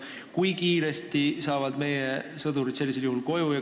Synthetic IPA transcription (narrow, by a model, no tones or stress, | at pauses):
kujkiːɾe̞st̪isɑːvɑd̪̥me̞jesɤd̪uɾid̪̥se̞lːiseljuhulko̞jujɑ